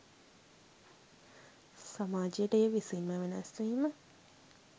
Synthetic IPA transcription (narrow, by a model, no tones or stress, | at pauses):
samaːd͡ʒijəʈəejəʋisinmaʋenɐ̰sʋiːmə